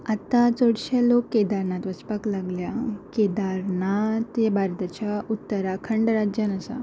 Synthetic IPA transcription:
at̪at͡soɽɕalokːed̪aɾnat̪ʋəspəklaɡljaked̪aɾnat̪jabʱaɾt̪at͡ɕjaut̪ːəɾakʰəɳɖɾad͡ʑjanəsa̰

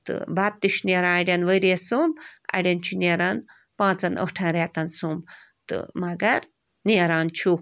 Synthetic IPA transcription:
t̪ɨ̰bat̪ːiʃneɾãːɐɽʲɐnʋəɾesumbɐ̰ɽʲɐnt͡ʃʰuneɾan | pãːt͡sɐnə̰ʈʰãːɾat̪ɐnsumb | t̪ɨ̰mɐɡɐɾ | neːɾaːnt͡ʃʰu

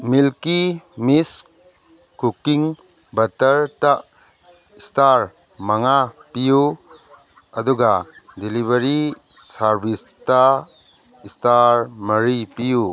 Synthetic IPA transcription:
milkimis | kukiŋ | bɐtɐɾtaʔ | istaɾ | mɐŋapiju | ɐduɡadiliβɐɾi | saɾbʱista | istaɾmɐɾipiju

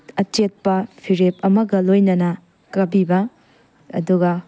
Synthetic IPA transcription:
ɐt͡ʃet̚pɐpʰiɾepɐmɐɡɐlojnɐnɐ | kɐbibɐ̰ː | duɡɐ

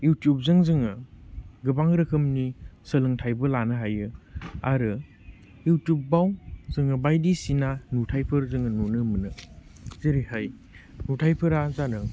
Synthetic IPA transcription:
jutijup̚zɯŋzɯŋɯɡɯbaŋɾɯkʰɯmnisəlɯŋtʰajbɯlanɯɦajɯaɾɯ | jutjup̚bawzɯŋɯbajdisinanutʰajpʰɯɾzɯŋɯnonɯmɯnɯziɾihaj | nutʰajpʰɯɾazanɯ

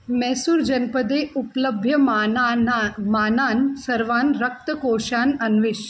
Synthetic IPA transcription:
mɛːsuɾd͡ʒɐnpəd̪eːupləbʱjɐ | maːnaːnsɐɾʋaːnɾɐk̚t̪əkoːʃaːnɐnʋɪʃ

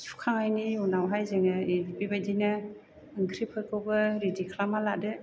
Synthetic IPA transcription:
su̥kʰaŋajniunawɦajzɯŋɯedibibajdina | ɯŋkʰɾipʰɯkɯwbɯɾidikʰlamalaʔdɯ

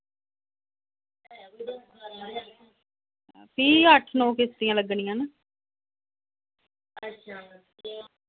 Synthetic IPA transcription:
pʰiːəʈʰnõːkɪst̪ɪjãːləɡɳɪjãːnə | ətʃʰa

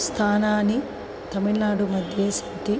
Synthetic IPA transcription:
st̪ʰaːnaːni | t̪ɐmiɭnaːɽumɐd̪ʱjeːsɐ̥ʈi

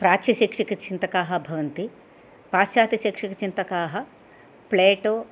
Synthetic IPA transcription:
pɾaːt͡ʃɐʃikʂikɐt͡ʃint̪ɐkaːɦɐ̆bʱɐʋɐnt̪i | paːʃjaːt̪ɐʃikʂikɐt͡ʃint̪ɐkaːɦɐ | pleːʈoː

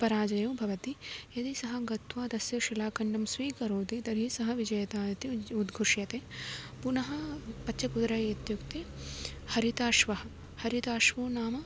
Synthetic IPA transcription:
pɐɾaːd͡ʒɐjɐ̃ːbʱɐʋɐt̪ijɐd̪isɐɦɐ̆ɡɐt̪ʋaːd̪ɐsjɐʃilaːkɐɳɖɐmsʋiːkɐɾoːd̪id̪ɐɾisɐɦɐ̆ʋid͡ʒɐjɐt̪aːjɐt̪iud̪ɡʱuʂjɐt̪eː | punɐɦɐpɐːt͡ʃʰɐkud̪ɾɐjit̪jukt̪eː | hɐɾit̪aːʃʋɐɦɐ̆ | hɐɾit̪aːʃʋoːnaːmɐ

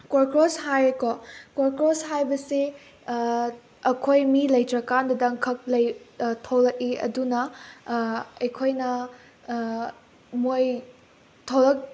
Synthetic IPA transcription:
kwoɾkɾoshajkokwoɾkɾosɦajbɐse | ɐkʰojmilɐjtɾɐkandɐdɐŋkʰɐk̚lɐjtʰowlɐk̚iɐ̰dunɐ | ɐjkʰojnɐ | moj | tʰowlɐk̚

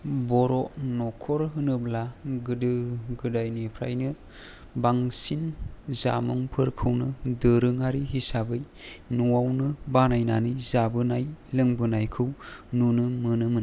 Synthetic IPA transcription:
bɔɾɔnɔkʰɔɾɦɯnɯblaɡɯdɯɡɯdajnepʰɾa̰jnɯ | baŋsinza̰mɔŋpʰɯɾkʰɯwnɯdɯɾɯŋaɾiɦisabɯj | nuwawnɯbanajna̰nizabɯnajlɯŋbɯnajkʰɯwnunɯmɯnɯmɯn

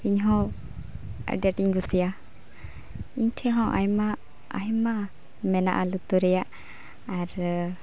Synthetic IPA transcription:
iɲɦɔ̃ | ɛ̰ɖɛʈiŋɡusija | iɲʈʰɛɦɔ̃ʔa̰jma | a̰ɦɛma | mɛna̰ʔalut̪uɾɛjaʔ | aɾ

